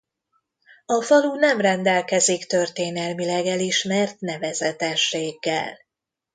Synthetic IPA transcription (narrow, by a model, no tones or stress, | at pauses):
ɒfɒlunɛmrɛnd̪ɛlkɛzikt̪ø̞rt̪eːnɛlmilɛɡɛliʃmɛrt̪nɛvɛzɛt̪ɛʃːeːɡːɛ̰l